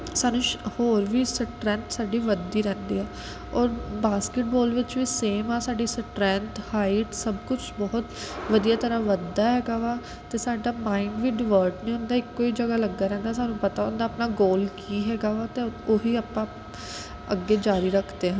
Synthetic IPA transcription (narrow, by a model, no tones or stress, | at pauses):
saːnũːʃhoːɾʋiːsəʈɾɛ̃ːnt̪saːɖiːʋəd̪ːiːɾɛ̃ːnd̪iːɛː | ɔːɾbaːskɪʈ̚bɔːlʋɪt͡ʃʋiːseːmaːsaːɖiːsəʈɾɛ̃ːnt̪haːɪʈsəbkʊt͡ʃʰbɔːʊt̪ʋəd̪ijaːt̪əɾaːʋəd̪aːɦɛːɡaːʋaː | t̪eːsaːɖaːmaːiɳɖʋiːɖɪʋəːɾʈnĩːʊ̃nd̪aːɪkːoːiːd͡ʒəɡaːləɡːaːɾɛ̃ːnd̪aːsaːnũːpət̪aːʊnd̪aːpnaːɡoːlkiːɦɛːɡaːʋaːt̪eoːɦiːaːpãː | əɡːeːd͡ʒaːɾiːɾəkʰd̪eːɦə̃n